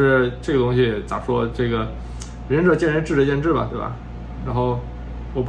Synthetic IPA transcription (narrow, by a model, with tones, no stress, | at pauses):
ʂɻ̩˥˧ʈ͡ʂɤ˥˩ɡə˩t̪ʊ˥ŋɕ̬i˧jɛ˨˩t͡sa̰˨˩ʂwɔ˥ʈ͡ʂɤ˥˩ɡə˩ | ɻə˧˥nʈ͡ʂɤ˨˩t͡ɕjɛ˥˩nɻa˥ʈ͡ʂɻ̩˥˩ʈ͡ʂə˧˥t͡ɕjɛ˥˧nʈ͡ʂɻ̩˥˩bɐ̰˩t̪we˥˩ɪbɐ̰˩ | ɻa˧˥nxo˥˧ʊ | wɔ˨˩p